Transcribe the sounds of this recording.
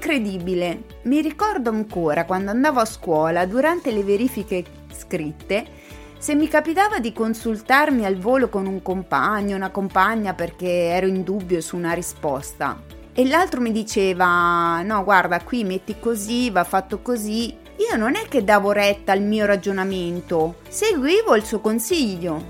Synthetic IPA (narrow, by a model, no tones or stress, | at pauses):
kɾed̪iːbile | miɾikɔrd̪oaŋkoːɾakwand̪oand̪aːvoaskwɔːlad̪uɾant̪eleveɾiːfike | skɾit̪ːe | semːikapit̪aːvad̪ikonsult̪armialvoːlokonuŋkompaɲːounakompaɲːaperk̟eɛːɾoind̪ubːjosuːnaɾispɔst̪a̰ | elːalt̪ɾomid̪it͡ʃeːvanɔɡward̪akwimet̪ːikozivafːat̪ːokozi | iːononɛkːed̪ːaːvoɾɛt̪ːaːlmiːoɾad͡ʒonament̪o | seɡwiːvoilsuokonsiʎːo